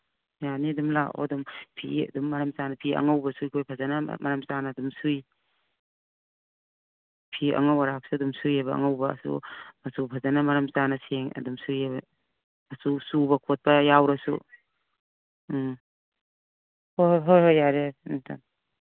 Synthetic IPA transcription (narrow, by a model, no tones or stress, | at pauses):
janidumlaɔ̰dumpʰḭɐ̰dumːɐɾamsanɐpʰiɐ̰ŋawbɐsujkʰojpʰazana̰mɐɾamsanɐːdumsuj | pʰiɐ̰ŋawaɾak̚suɐdumsujabɐ̰ːŋawbɐ̰ːsṵmɐsupʰazanamɐɾɐmsanɐseŋɐ̰dumsujabɐ | asusubɐkʰot̚pɐjawɾɐsṵ | hoɦojɦojaɾenitʰa̰m